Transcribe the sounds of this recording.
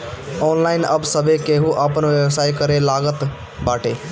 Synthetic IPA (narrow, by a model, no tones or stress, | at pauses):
ɔnlaɪnəbsəbekeɦuʔəpənʋjəwsaikəɾelaɡət̪ | baʈe